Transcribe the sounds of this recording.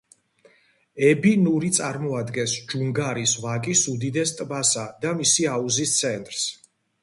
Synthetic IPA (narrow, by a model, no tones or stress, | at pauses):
ɛbinuɾit̪sʼaɾmɔad̪ɡɛnsd͡ʒuŋɡaɾisvakʼisud̪id̪ɛst̪ʼbasad̪amisiauzist̪sʰɛnt̪ʼɾs